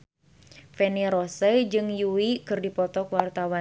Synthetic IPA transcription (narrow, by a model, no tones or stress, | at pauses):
fɛniɾɔsɛd͡ʒɨŋjuwikɨrdipɔt̪ɔkwart̪awa